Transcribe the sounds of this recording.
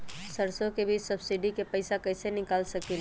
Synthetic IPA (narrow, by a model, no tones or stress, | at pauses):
səɾsõkebʱiːt͡ʃsɐbsɪɖikepɐɪsakɐɪsenɪkaːlsɐkil